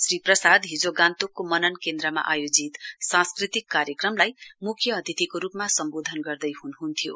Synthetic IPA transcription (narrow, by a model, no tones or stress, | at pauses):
sriprʌsad̪ɦid͡zoɡãnt̪okːomʌnʌnkend̪ɾʌma̰ʔajod͡zit̪sãskrit̪ikːaɾjʌkrʌmlajmukʰjʌːd̪ʱit̪ikoɾupmasʌmbod̪ʱʌnɡʌrd̪ʌjɦunɦunt̪ʰijo̰